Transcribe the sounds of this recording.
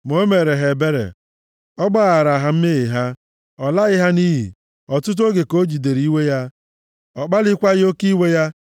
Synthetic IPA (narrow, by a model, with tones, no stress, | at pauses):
mo˦me˨ɾe˨ɦe˨be˦ɾḛ˨ | ɔ˦ɡ͡ba˦˨ɾa˨ɦa˨m̩˦mɪ˦ɣɪ˨ɦa˦ | ɔ˨la˦ɣɪ˦ɦa˦ni˦ɦḭ˨ | ɔ˨tʊ˦t̬o˦ɡe˨ko˦d͡ʒi˨de˨ɾi˦we˦ja˦ | ɔ˨k͡pa˦lɪ˦kʷa˦ɣɪ˦o˦ki˦we˦ja˦